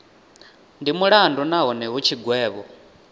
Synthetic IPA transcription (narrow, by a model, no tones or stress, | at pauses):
ndimuɺandunaɦɔnɛɦut͡ʃʰiɡwɛːβɔ